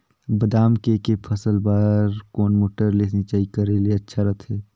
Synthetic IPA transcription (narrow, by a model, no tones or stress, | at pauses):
bəd̪aːmkekepʰəsəlbaːɾkoːnmoːʈəɾlesnit͡ʃaːɦikəɾelieɐtːʃʰaɾɐt̪ʰɦeː